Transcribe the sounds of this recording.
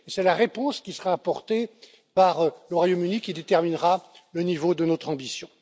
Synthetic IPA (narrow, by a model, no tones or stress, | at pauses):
esɛlaʁepɔ̃skʲisəʁaːpɔʁt̪e | paʁləʁwajomynikʲid̪et̪ɛʁminʁalənivod̪ənɔt̪χɑ̃bisjɔ̃